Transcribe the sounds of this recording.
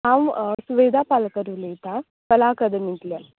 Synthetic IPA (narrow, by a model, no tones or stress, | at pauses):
aʋsuʋed̪ʱapalkəɾulet̪a | kɐlakəd̪əmint̪la